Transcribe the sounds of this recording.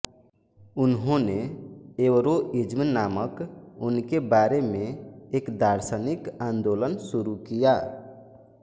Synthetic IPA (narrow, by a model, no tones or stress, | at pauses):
ʊnɦõneeːʋɾoʔɪd͡ʒmnaːməkʊnkebaːɾemẽeːkd̪aːɾsənɪkãːnd̪oːlənsʊɾukijaː